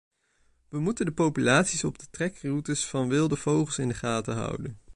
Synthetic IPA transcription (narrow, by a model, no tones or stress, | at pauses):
ʋəmutəndəpowpylaːtsisɔb̚dətrɛkrutəsfɑnʋɪlˠdəv̥owχlˠsɪndəχaːtəɦʌ̰wdən